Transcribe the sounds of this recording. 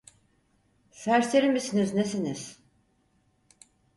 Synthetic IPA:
sæɾseɾimisiniznesiniz̥

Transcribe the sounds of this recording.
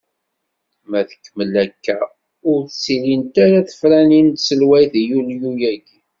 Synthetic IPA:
mæðə̥kːəməlækːæ | ʊɾθsilint̪aɾaθə̥fɾænint̪səlwæjθjuljujæɡ

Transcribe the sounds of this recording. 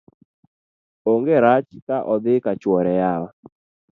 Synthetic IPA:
oŋɡeɾat͡ʃkaʔɔd̪ɪkat͡ʃwɔɾɛjawa

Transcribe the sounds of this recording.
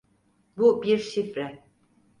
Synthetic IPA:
bubiɾʃifɾɛ

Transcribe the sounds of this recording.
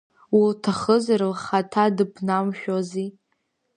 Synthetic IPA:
wiltʰaχəzaɾɨlχatʰadɨpʰnamʃᶣozi

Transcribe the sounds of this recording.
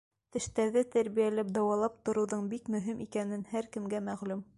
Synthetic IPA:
t̪ɘ̆ʃt̪æɾðɘt̪æɾβijælæp̚d̪ɑwɑlˠɑp̚t̪ŏɾɤ̆wðɤɴbikmɵ̆ɦimʔikænɘnhæɾkɘ̆mɡæmæʁlʉm

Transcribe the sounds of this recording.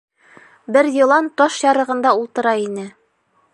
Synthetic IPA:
bɘɾjɤ̆lˠɑnt̪ɒʃjɑɾɤ̆ʁɤ̆nd̪ɑulˠt̪ɤ̆ɾɑinɘ

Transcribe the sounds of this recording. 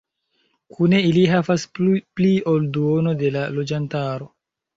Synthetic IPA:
kʰune̞iliɦavasplio̞lduo̞no̞de̞lalo̞d͡ʒantaɾo̞

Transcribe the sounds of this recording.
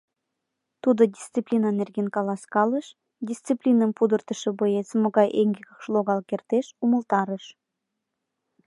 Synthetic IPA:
t̪ud̪odʲist͡siplʲinɑnerɣenkɑlɑskɑləʃ | dʲist͡siplʲinəmpud̪ərt̪ə̆ʃə̆bojet͡smoɣɑjʔeŋɡeɣəkʃloɣɑlkert̪eʃumə̆lt̪ɑɾəʃ

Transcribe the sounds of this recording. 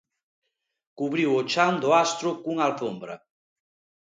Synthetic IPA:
kuβɾiwot͡ʃand̪ʊast̪ɾʊkuŋalfombɾɐ̰

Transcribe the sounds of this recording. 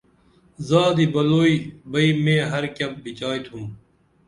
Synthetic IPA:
zaːd̪iːbɐloːiːbɐiːmẽːɦɐɾkɐp̚bit͡ɕaːjt̪ʰũː

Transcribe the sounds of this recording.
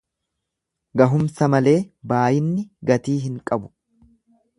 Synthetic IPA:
ɡɐɦʊmsɐmɐle̞ːbaːjɪnːɪɡɐt̪iːɦɪŋkʼɐbʊ̥

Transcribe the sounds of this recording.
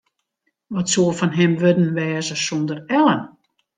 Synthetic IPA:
ʋɔtsuəfɔnɦɛmʋødən̩ʋɛːzəsondərɛlən

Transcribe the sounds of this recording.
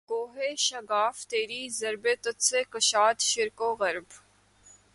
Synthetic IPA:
koːɦeːʃɐɡaːft̪eːɾiːzɐɾbeːt̪ʊt̪seːkɐʃaːt̪ʃɪɾkoːɣɐɾb

